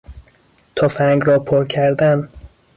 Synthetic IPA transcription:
t̪ʰɒfæŋɡɾɒːpʰoɾcʰæɾd̪æn

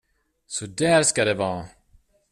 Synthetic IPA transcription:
sɔd̪æːɾskad̪ɛvɑː

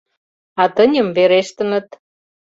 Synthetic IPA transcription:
ɑt̪ənʲə̆mveɾeʃt̪ə̆nə̆t̪

